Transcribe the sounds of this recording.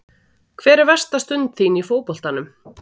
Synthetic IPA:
kʰvɛːɾɪɾvɛr̥st̪ast̪ʏnt̪θinifoːwpɔl̥t̪anʏm

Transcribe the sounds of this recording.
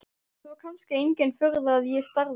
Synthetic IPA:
θaɾkʰanscɪejɲcɛnfʏɾðaːðjɛst̪aɾð

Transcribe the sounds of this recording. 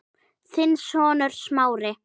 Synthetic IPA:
θɪnsɔːnʏɾ̥smaːwɾɪ

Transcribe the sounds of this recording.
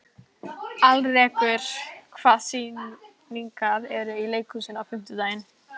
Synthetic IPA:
alrɛkvʏɾ̥kʰv̥aːsi | niŋkaðɛɾʏileːjkʏsɪnafɪm̥t̪ʏt̪aːjn

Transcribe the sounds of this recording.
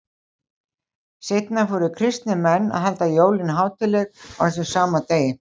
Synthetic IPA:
sejt̪nafɔɾʏkʰɾɪst̪nɪmɛnːa̰ðɦalt̪ajoːwlɪnɦaːwt̪ʰɪlːɛɣa̰wθɛsɪsaːmat̪eːjɪ

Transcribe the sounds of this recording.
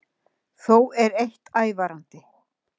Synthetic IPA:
θowɛɾejht̪aːjvaɾant̪ɪ

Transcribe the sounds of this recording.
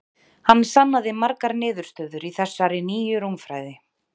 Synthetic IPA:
hanːst̪anːaðɪmaɾkaɾnɪːðʏɾ̥st̪œːðʏɾiθɛsːaɾɪniːjʏɾumfɾa̰ːjðɪ

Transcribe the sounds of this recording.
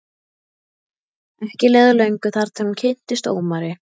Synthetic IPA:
ɛhcɪlɛːðʏlœɥjŋkʏθaɾ̥t̪ʰɛuncʰejn̥t̪ɪst̪o̰ːwmaɾɪ

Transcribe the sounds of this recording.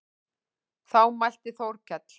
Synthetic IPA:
θawmajl̥t̪ɪθowɾcʰɛt̪l̥

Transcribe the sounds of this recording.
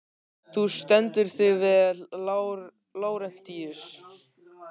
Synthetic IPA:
θust̪ɛnt̪ʏɾ̥θɪvɪðl | loːwɾɛn̥t̪ːiːʏs

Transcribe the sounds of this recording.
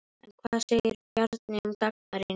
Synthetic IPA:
ɛnkʰvaːðseɾpjaɾt̪nɪumt̪ak̚naɾɪ

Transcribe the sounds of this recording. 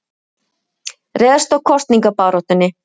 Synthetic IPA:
rɛːðast̪awkʰɔst̪niŋkapaːwɾɔht̪ʏnːɪ

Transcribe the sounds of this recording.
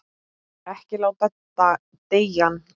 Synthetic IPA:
ɛhcɪlawtɛt̪ːa | t̪eːjan

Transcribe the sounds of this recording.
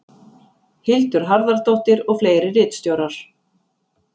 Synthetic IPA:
hɪlt̪ʏɾ̥ɦaɾðaɾt̪owht̪ɪɾɔɣfleːjɾɪrɪːt̪st̪jowɾaɾ̥

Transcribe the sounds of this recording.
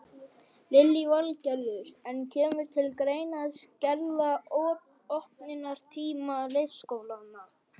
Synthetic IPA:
lɪlːivalcɛɾðʏɾɛncʰɛːmʏɾ̥t̪ʰɪlkɾeːjnaðscɛɾðaɔːɾ | ɔhpnɪnaɾ̥t̪ʰiːmalejskoːwlanːa

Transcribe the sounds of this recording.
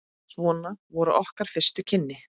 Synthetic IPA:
svɔːnavɔɾʏʔɔhkaɾ̥fɪr̥st̪ʏcʰɪnːɪ

